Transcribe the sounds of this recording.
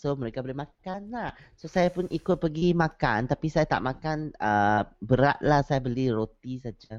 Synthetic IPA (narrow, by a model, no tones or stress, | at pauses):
somə̃ɾekabolɛhmãkanlahsosajapʊnʔikʊt̪̚pəɡimãkant̪apisajat̪a̰ʔmãkanəbəɾa̰t̪̚lahsajabəliɾot̪isad͡ʒa